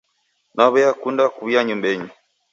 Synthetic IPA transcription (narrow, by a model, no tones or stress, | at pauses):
naβɔjakundakuβjaɲumbɛɲi